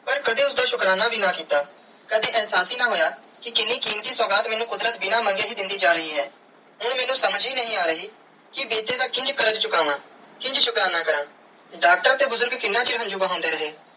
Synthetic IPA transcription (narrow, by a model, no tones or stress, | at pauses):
pəɾkəd̪ẽːʊsd̪aːʃʊkɾaːnaːbʱiːnãːkiːt̪aː | kəd̪ẽːʔɛːɦsaːsiːnãːɦoːjaː | kɪkɪnːiːkiːmt̪iːsəːɡaːt̪mɛːnũːkʊd̪ɾət̪bɪnaːməŋɡeːɦiːd̪ɪnd̪iːd͡ʒaːɾəɦiːɦɛː | ɦʊɽmɛːnũːsəməd͡ʒiːnəɦĩːaːɾəɦiː | kɪbiːt̪eːd̪aːkɪ̃ɲd͡ʒkəɾət͡ʃt͡ʃʊkaːʋãː | kɪ̃ɲd͡ʒʃʊkɾaːnaːkəɾən | ɖaːk̚ʈəɾaːt̪eːbʊzʊɾɡkɪnːãːt͡ʃɪɦə̃nd͡ʒuːbəɦãːnd̪eːɾəɦeː